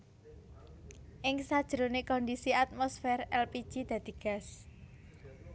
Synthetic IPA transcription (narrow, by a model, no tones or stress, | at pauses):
ʔɪŋsad̥ʒ̥ɾonekɔndisiat̪̚mɔsfɛrɛlpid̥ʒ̥id̪̥ä̤d̪̥i̤ɡ̥a̤s